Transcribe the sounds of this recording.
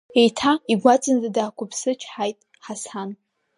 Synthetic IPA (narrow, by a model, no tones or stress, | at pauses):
ejtʰaiɡʷat͡sʼɨnzadaːkʷʰʊpʰsɨt͡ʃʰħajtʼ | ħasan